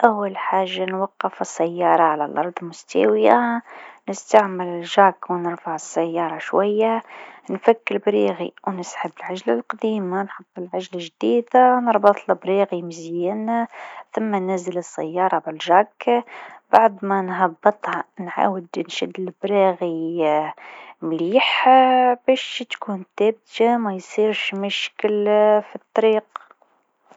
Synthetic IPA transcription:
ʔawːalħaːʒːanwɑqːɑfɪsːæjːɑːɾˤɑʕalalʔɑɾˤd̪ˤmʊst̪a̰wɪjanɪst̪aʕmɪlɪlʒaːkwnəɾfaʕɪsːæjːɑːɾˤɑʃwajːanfakːɪɾbɾiːɣḭwnəsħəbːɪlʕaʒlalqɑd̪iːmanħɑt̪ˤːəlʕaʒlaʒd̪iːd̪anɨɾˤbɑt̪ˤlbɾiːɣimɪzjɪnθʊmːanæzələsːæ̰jːɑːɾˤɑbɪlʒɑɡ | baʕd̪mænɦɑbːɨt̪ˤhɑnʕa̰ːwəd̪nʃɪd̪ːəlbɾiɣi | mliːħbæːʃt̪kuːnt̪æːb̚t̪amæjsˤiːɾʃmʊʃkəlfit̪ˤːɑɾiːq

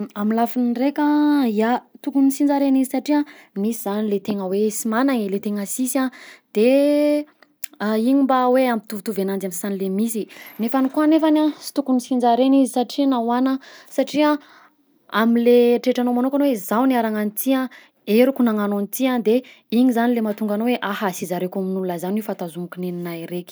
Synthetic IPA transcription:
amilafinrekʲaiat̪ukunisind͡zaɾenizisaʈ͡ʂiamisizanilet̪eŋəwesimanaŋilet̪eŋəsisãd̪̥e | iɲimbaweampi̥t̪uvit̪uvenand͡zamsanilemisinefanikuanefanasi̥t̪ukunisind͡zaɾenizisaʈ͡ʂinawanəsaʈ͡ʂia | a̰mileʈ͡ʂeʈ͡ʂanomanokanowezawniaɾaŋanit̪ia | eɾukunaŋanonit̪iad̪e | iɲizanilemat̪uŋɡanoweʔahasizaɾekaminulunəzanifant̪azumukʲuneninajɾekʲi̥

